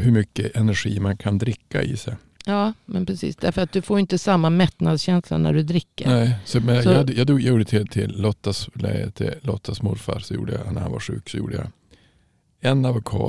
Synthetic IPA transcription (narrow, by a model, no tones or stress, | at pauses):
hɵmʏkːəʔɛnæɾɧiːmankʰand̪ɾɪkːaɪsɛj | jɑːmɛnpʰɾɛsḭːsd̪æɾfəɾat̪̚d̪ɵfoːjɪnt̪əsamːamɛt̪nad̪sɕɛnsla̰næ̰ɖɵd̪ɾɪkːənɛːsɔmɛnjɑadːjɑːd̪ːjɑjuːɖət̪ʰɪlt̪ʰɪlːɔt̪ːaslɛt̪ʰɪlɔt̪ʰːasmʊɾfaɾsɔjṵːɖəja̰nːæɾha̰nva̰ɾɧʉ̟̰ːksɔjṵːɖəja̰ | ɛnːavʊkʰɑ̰ː